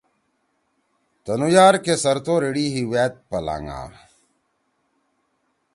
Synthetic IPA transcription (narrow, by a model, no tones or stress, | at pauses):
t̪ɐnujaːɾkesɐɾt̪oːɾiɽiːɦiweːt̪̚pɐla̰ːŋa̰ː